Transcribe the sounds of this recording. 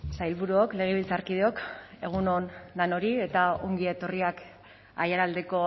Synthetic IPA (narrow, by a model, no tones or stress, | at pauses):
sajlβuɾuokle̞ɣ̞eβilt͡saɾkið̞eo̞k | e̞ɣ̞unonlano̞ɾie̞t̪ao̞ŋɡie̞t̪o̞riak | a̰jaɾald̪e̞ko̞